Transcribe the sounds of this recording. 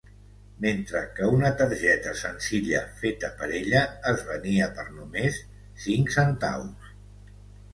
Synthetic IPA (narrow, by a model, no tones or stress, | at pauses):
ment̪ɾəkəunət̪əɾʒɛt̪əsənziʎə̰fet̪əpəɾeʎəːzβəniəpəɾnumesː | iŋksənt̪a̰ws